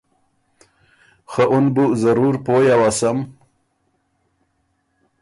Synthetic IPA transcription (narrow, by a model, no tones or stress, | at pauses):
xaʔʊnbuzaɾuɾpoːjawasam